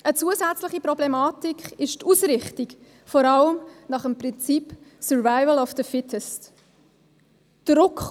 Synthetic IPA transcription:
ʔət͡suəsæt͡sləχipɾɔblɛmɑːtikχɪʃtusɾɪχtik | fɔɾɑləmnɑχəmpɾɪnt͡sipsɔɹvaɪvəlɔfdəfɪtʰɛst | d̥ɾʊkχ

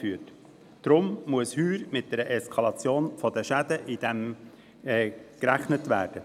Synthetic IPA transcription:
fyːət | d̥ɾʊmmuəshyːɾmɪt̚d̥ɛɾəʔɛskʰɑlɑt͡sjoːnfɔdəʃæd̪əʔid̥ɛm | ɛkɾæχnətʋæ̰ːd̥ə

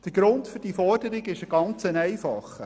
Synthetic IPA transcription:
d̪̥əɾɡ̥ɾʊntfɵɾd̥ifɔrdəɾɪɡɪʃəɡ̥ɑnt͡sənɛjfɑχə

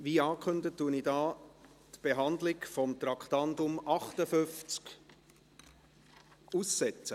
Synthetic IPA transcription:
ʋiːɑːkχɵndətːuənidɑː | tb̥eɦɑnd̪lɪɡfɔmt̪ɾɑkχt̪ɑndʊmʔɑχt̪əfʏft͡sk | usːɛt͡sə

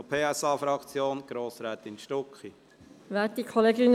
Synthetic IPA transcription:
ɔpʰeːɛsɑːfɾɑkt͡sjoːnɡ̥ɾoːsɾɛːt̪ɪnʃtɔkχi | ʋæːtikʰɔleːɡyn

